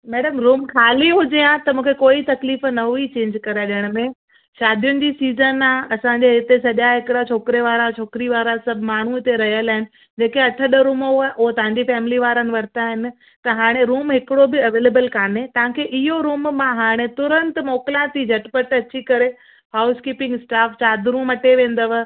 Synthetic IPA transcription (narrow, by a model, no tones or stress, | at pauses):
mɛːɽəmɾuːmkʰaːliɦʊd͡ʑiãt̪ɐmũːkʰekoːit̪ɐkliːfnɐɦuit͡ɕẽːɲd͡ʑkɐɾaɗɪəɽ̃əmẽ | ʃaːd̪ʱijʊnɪ̆d͡ʑiːsiːzənaɐsãɲd͡ʑeɪt̪esɐʄaɦɪkɽat͡ɕʰoːkɪɾeʋaːɾat͡ɕʰoːkɪɾiʋaːɾasɐbʱmaːɳ̤uɪt̪eɾɐɦijəlaːɦɪnɪ̆ | d͡ʑeːkeɐʈʰəɗəɾuːmoʔoɦt̪ɐʋ̤ãɲ̆d͡ʑifɛːmɪliʋaːɾənɪ̆ʋɐɾt̪aɦɪnɪ̆ | t̪ɐɦaːɽ̃eɾuːmɦɪkɪɽobɪɐʋeːleːbəlkʰaːnet̪ɐɦãkʰeːʔɪɦoɾuːmmãɦaːɽ̃et̪ʊɾə̃nt̪mɔːkɪlãt̪ʰid͡ʑʱɐʈpəʈɐt͡ɕikɐɾe | ɦaːʊskiːpɪ̃ŋɡɪsʈaːft͡ɕaːd̪ʱɾuːmɐʈʰeʋẽːn̆d̪əʋ